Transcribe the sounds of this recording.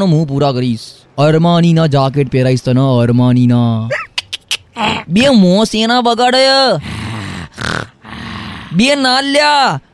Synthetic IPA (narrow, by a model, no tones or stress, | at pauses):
nõmũːp̬uːɾaːkəɾiːs | əɾmaːniːnãːd͡ʒaːkeʈ̚peːɾaːist̪ənaəɾmaːniːnaː | bimõːseːnãːbəɡaːɽəjə | bienaːlːjaː